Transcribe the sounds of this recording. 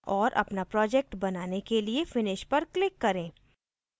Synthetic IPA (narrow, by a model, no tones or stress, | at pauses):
ɔːɾʔɐ̰pnapɾɔːd͡ʒɛk̚ʈbɐnaːnekeliefɪnɪʃpɐɾklɪkːɐɾẽː